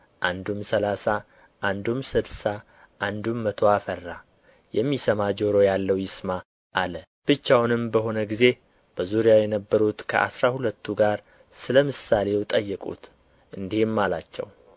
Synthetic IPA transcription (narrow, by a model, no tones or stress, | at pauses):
ʔand̪umsəlasa | ʔand̪umsɨbsa | ʔand̪umːət̪ʰo̞afərːa | jɛmːisəmad͡ʒo̞ɾojalːəwjɪsma | ʔalə | b̥ɨt͡ʃːawnɨmbəɦo̞nəɡize̞ | b̥əzuɾijajɛnəbːəɾut̪kʰə̰ʔa̰sɾahulət̪ʰːuɡaɾ | sɨləmɨsale̞wt̪ʼəjːɨkʼṵt̪ | ʔɨnd̪ihɪmːala̰t͡ʃːɛ̰w